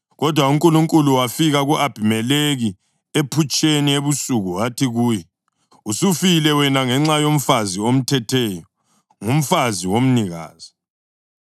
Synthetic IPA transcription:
ɣɔd̥ʱwauŋkʼuluŋkʼuluwafiɣaɣuʔab̥ʱimɛleɣi | epʰut͡ʃʼenieβusuɣuatʰiɣuːjɛ | usufilɛwɛnaŋɛŋ͡ǁajom̩faziom̩tʰɛtʰɛjɔ | ŋum̩faziwom̩niɣa̰ːz̥i

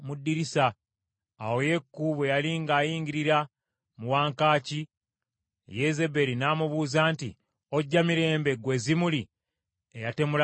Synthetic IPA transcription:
mudːiɾisa̰ː | wo̞je̞kːuβwe̞jaliŋɡaːjiːɲɡiɾiɾa | muwaːŋkaːci | je̞ze̞be̞ɾinaːmuβuːzaːntḭ | o̞ɟːamiɾe̞ːmbe̞ɡwe̞ːzimuli | ejate̞mula

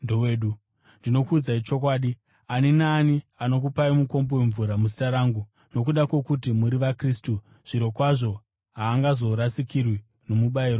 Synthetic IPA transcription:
ndoweːɗu | ndino̞kuːd͡zait͡ʃo̞k̬waːɗi | aninaːniano̞k̬upaimuko̞mbowe̞ɱvuɾamus̬itaɾaːŋɡu | no̞k̬uɗakwe̞kut̬imuɾiʋakristu | ʐ̥iɾo̞kwaʐo̞ | ɦaːŋɡazo̞ɾasikirwi | no̞muɓaiːro

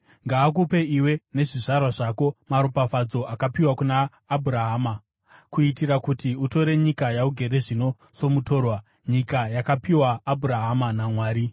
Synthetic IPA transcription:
ŋɡaːkupe̞iwe̞ne̞ʐiʐarwaʐako̞maɾopafad͡zo̞ʔakapiwakunaː | bʱuɾaɦaːma | kuitirakutiuto̞ɾe̞ɲikajauɡʱe̞ɾe̞ʐino̞ | so̞muto̞ːrwa | ɲikajakapiwaːbʱuɾaɦamanamwaːɾi

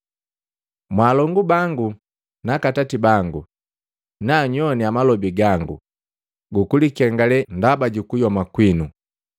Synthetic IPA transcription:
mwaːlɔŋɡubaŋɡu | nakatatibaŋɡu | naɲɔniamalɔbiɡaŋɡṵ | ɡukulikɛŋɡalɛndabaɟukujɔmakwinu

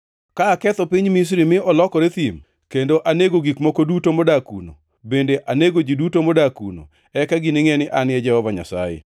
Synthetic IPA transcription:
kaːkɛt̪ɔpiɲmis̬ɾimɪʔɔlɔkɔɾet̪im | kendoʔaneɡoɡikmɔkodutomɔdakṵno̰ | bendeʔaneɡod͡ʒidutomɔdakṵno̰ | ɛkaɡinɪŋenɪʔanɪɛd͡ʒɛhɔvaɲa̰sa̰jḛ

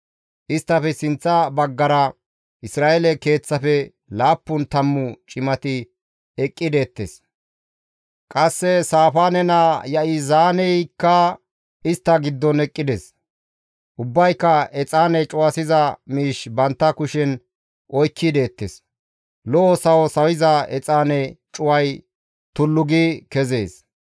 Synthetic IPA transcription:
ʔɪst̪ːɐfɛsɪnt͡sːɐbɐɡːɐɾɐ | ʔɪsɾaːʔɛlɛke̞ːt͡sːɐfɛ | laːpːʊnt̪ɐmːʊt͡ʃʼɪmɐt̪ɪ | ɛkʼːɪd̪e̞ːt̪ːes | kʼɐsːɛsaːfaːnɛnɐjɐʔɪzaːnɛjkːɐ | ɪst̪ːɐɡɪd̪ːɔnɛkʼːɪd̪ɛs | ʔʊbːɐjkːɐɛt͡sʼaːnɛt͡ʃʼʊwɐsɪzɐmiːʃbɐnt̪ːɐkʊʃɛn | ʔɔjkʰːɪd̪e̞ːt̪ːes | lɔʔɔsɐwɔsɐwɪzɐɛt͡sʼaːnɛt͡ʃʼʊwɐj | t̪ʊlːʊɡɪkɛze̞ːs

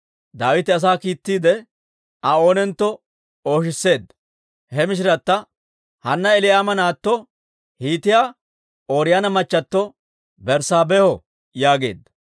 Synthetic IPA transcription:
d̪aːwɪt̪ːɪɐs̬aːkiːt̪ːiːd̪ɛ | ɐo̞ːnɛnt̪ːɔ | o̞ːʃ̬ɪsːe̞ːd̪ːɐ | hɛmɪʃ̬ɪɾɐt̪ːɐ | hɐnːɐɛlɪjaːmɐnaːt̪ːɔ | hiːt̪ɪjaː | oːɾɪjanɐmɐt͡ʃːɐt̪ːɔ | bɛɾsaːbɛhɔ | jaːɡe̞̰ːd̪ːɐ̥

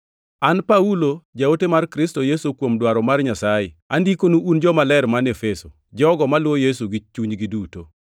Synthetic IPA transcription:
anpaulod͡ʒawotemarkɾɪstojesukwomdwaɾɔmarɲasajeandikonuʔund͡ʒɔmalɛɾmanefeso | d͡ʒɔɡɔmalwojesuɡɪt͡ʃuɲɡiduto

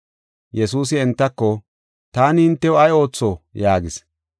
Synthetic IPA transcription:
jɛsuːs̬ɪɛnt̪ːɐkːɔ | t̪aːnɪhɪnt̪ːɛʊɐjo̞ːt͡sːojaːɡɪs

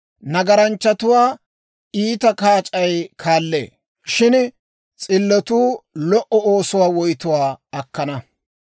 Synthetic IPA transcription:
nɐɡɐɾɐnt͡ʃːɐt̪ʊwaː | iːt̪ɐkaːt͡ʃʼɐjkʰaːlːḛː | ʃɪn | t͡sʼɪlːɔt̪uːlɔʔɔoːsʊwaːwɔjt̪ʊwaːɐkːɐnɐ

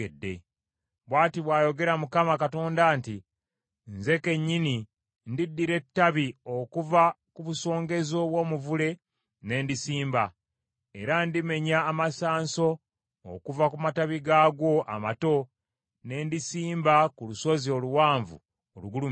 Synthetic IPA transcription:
edːe̞̰ | βwaːtiβwaːjo̞ɡe̞ɾamukamakato̞ːndaːnti | nze̞ke̞ɲːini | ndidːiɾe̞tːaβio̞kuva | kuβuso̞ːŋɡe̞zo̞βwo̞muvule̞ | ne̞ːndisiːmba | eɾandime̞ɲaːmasaːnso̞̰ː | kuvakumataβiɡaːɡo̞ʔa̰mato̞ | ne̞ːndisiːmbakuluso̞zio̞luwaːɱvṵ | oluɡulu

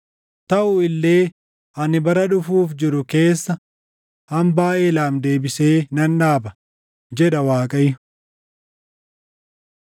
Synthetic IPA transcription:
t̪ɐʔʊɪlːe̞ː | ʔɐnɪbɐɾɐᶑʊfuːfd͡ʒɪɾʊke̞ːsːɐ | hɐmbaːʔeːlaːmd̪e̞ːbɪse̞ːnɐnᶑaːbɐ | d͡ʒɛᶑɐwaːkʼɐj

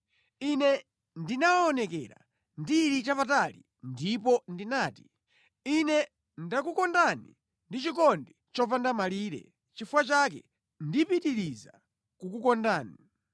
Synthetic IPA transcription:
inɛ | ndinawaɔnɛkɛ̰ɾa̰ | ndiɾit͡ʃapatali | ndipɔndinaːti | inɛ | ndakukɔndanḭ | ndit͡ʃikɔndit͡ʃɔvandamaliːɾɛ̰ | t͡ʃifuwat͡ʃak̬ɛ̰ | ndipitiɾiza | kukukɔndaːni

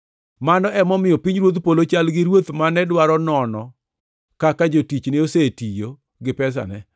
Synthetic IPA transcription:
manɔʔɛmɔmɪjɔpiɲɾwot̪polot͡ʃalɡɪɾwot̪manɛdwaɾɔnɔnɔ | kakad͡ʒotit͡ʃneosetijo | ɡɪpɛs̬a̰nɛ

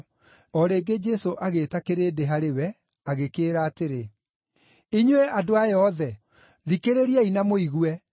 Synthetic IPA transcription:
ɔɾeːɡed͡ʒɛsoʔaɣetakeɾeːdeɦaɾewɛ | aɣekeːɾaːteɾe | iɲwɛʔadoajɔðɛ | ðikeɾeɾiɛinamoiɣwɛ

